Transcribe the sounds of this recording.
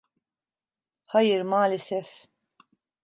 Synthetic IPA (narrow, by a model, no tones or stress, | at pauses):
hɐjɪɾmaːlɪsɛf